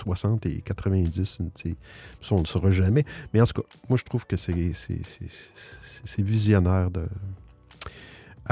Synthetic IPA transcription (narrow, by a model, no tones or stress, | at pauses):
swasɑ̃ːt̪ḛkʲat̪ʁəvɛ̃d͡zɪssepsɔ̃ləsəʁɑʒamɛmɛɑ̃t̪u̥kɑ | mwaʒə̥t̪ʁuːv̥kəsɛsɛ̰sḛ̥sesɛvizjɔnɛːʁd̪ə